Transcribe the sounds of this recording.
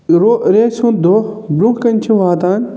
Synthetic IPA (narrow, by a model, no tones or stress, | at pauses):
ɾoɾeːsũd̪oː | bɾũkɐnʲt͡ʃʰĩʋaːt̪aːn